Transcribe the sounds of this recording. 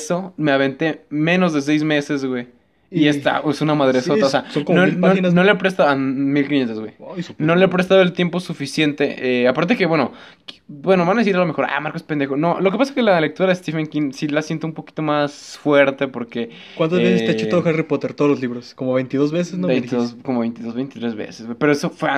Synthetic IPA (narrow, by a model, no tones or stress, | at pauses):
so̞meaβe̞nt̪emẽno̞zðe̞s̬ejzme̞se̞zɣwe̞j | iest̪a̰esunamaðɾesoaoseasoŋkonononnoleapɾest̪aoamilkinje̞nt̪ezɣwejsnnoleapɾe̞s̬t̪aðoelt̪je̞mpo̞sufisje̞nt̪eʔeapaɾt̪eeke̞βwe̞no̞ | bwe̞no̞βanaðesiɾalo̞me̞xo̞ɾa̰jmaɾkospend̪e̞xono̞lo̞kepasḁkelale̞k̚t̪uɾaðest̪ifeŋkinsilasje̞nt̪oũmpo̞ki̥t̪o̞masfwe̞ɾt̪e̞po̞ɾke̞ | want̪ozesest̪et͡ʃoooxaripot̪eɾt̪oðolozliβɾoskomoβejnt̪iðozβes̬esnobejniðozkomoβejnt̪iðozβejnt̪it̪ɾezβḛsezwejpe̞ɾoesofwea